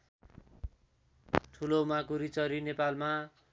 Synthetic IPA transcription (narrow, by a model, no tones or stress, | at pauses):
ʈʰulomakuɾit͡sʌɾinepalma